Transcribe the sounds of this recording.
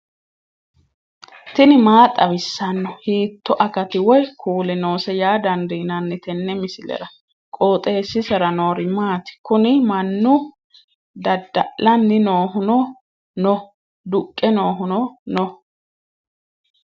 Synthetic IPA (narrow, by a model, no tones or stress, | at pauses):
t̪ɪnɪmaːt̪ʼɐβɪsːɐnːɔhiːt̪ːɔʔɐkɐt̪ɪwɔjkʰuːlɛno̞ːsɛjaːd̪ɐnd̪iːnɐnːɛt̪ɛnːɛmɪsɪlɛ̰ɾɐ | kʼoːt̪ʼe̞ːsːɪsɛɾɐnoːɾɪmaːt̪ɪ̥kʊnɪmɐnːʊ | d̪ɐd̪ːɐʔlɐnːɪnoːhʊnɔ | nɔ | d̪ʊkʼːɛno̞ːɦʊnɔnɔ